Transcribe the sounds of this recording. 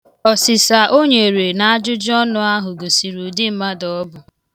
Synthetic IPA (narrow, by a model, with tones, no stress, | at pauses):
ɔ˨sɪ˨sa˨ʔo˦ɲe˨ɾe˨na˨a˦d͡ʒʊ˦d͡ʒɔ˦nʊ˦a˦ɦʊ˨ɡo˨si˨ɾu˨dɪ˦m̩˦ma˦dɔ˨ɔ˦bʊ˨